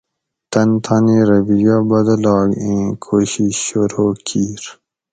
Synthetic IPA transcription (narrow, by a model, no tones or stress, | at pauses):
t̪ɐnt̪ʰaneɾɐbiɡabɐd̪ɐlɑːɡẽːkʰoːɕiɕoɾoːkʰiːɾ